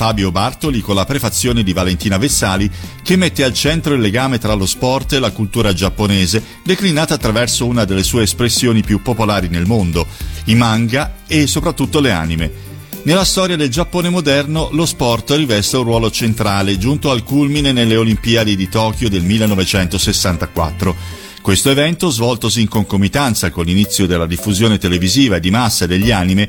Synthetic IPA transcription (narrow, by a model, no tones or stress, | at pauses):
faːbjobart̪olikonlapɾefat̪sːjoːned̪ivalent̪iːnavesaːlikemːet̪ːealt͡ʃɛnt̪ɾoilːeɡaːmet̪ɾalospɔrt̪elakult̪uːɾad͡ʒapːoneːze | d̪eklinaːt̪aːt̪ːɾavɛrsounad̪elːesuːeːspɾesːjoːnipjupːopolaːɾinelmond̪oimaŋɡaesːopɾat̪ːut̪ːolea̰ːnimḛ | nelːast̪ɔːɾjad̪eld͡ʒapːoːnemod̪ɛrnolospɔrt̪rivɛst̪eunrːwɔːlot͡ʃent̪ɾaːled͡ʒunt̪oalkulminenelːeolimpiːad̪id̪it̪ɔːk̟jod̪elmilːenːɔvet͡ʃɛnt̪osesːant̪akwa̰t̪ːɾo | kwest̪oevɛnt̪ozvɔlt̪os̬iːŋkoŋkomit̪ant̪sakonlinit̪sːjod̪elːad̪ifːuzjoːnet̪eleviziːvaed̪ːimasːad̪eʎːeaːnime